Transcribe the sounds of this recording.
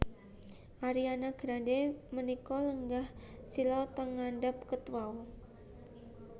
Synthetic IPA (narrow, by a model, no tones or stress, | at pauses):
ʔaɾianaɡ̥ɾademənikɔləŋɡah | silɔt̪əŋandap̚kət̪waw